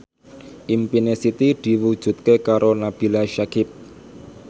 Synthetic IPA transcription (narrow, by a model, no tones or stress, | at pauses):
ʔimpinesit̪id̪̥i̤wud̥ʒ̥ṳt̪̚kekaɾonab̥i̤laʃakɪp̚